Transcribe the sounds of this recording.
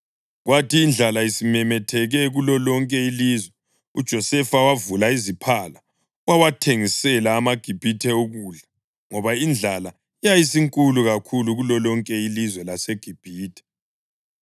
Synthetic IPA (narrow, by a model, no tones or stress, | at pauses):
ɣwatʰiːnd͡ɮʱalaisimɛmɛtʰɛɣɛɣulɔlɔŋkʼɛilizwɛ | ṵd̥ʒ̥ʱɔsɛfawavulaizipʰala | wawatʰeŋisɛlaːmaɡ̥ʱib̥ʱitʰɛuɣuɮa | ŋɔβaind͡ɮʱala | ijajisiŋkʼuluɣakʰuluɣulɔlɔŋkʼɛilizwɛlaseɡ̥ʱib̥ʱiːtʰɛ̥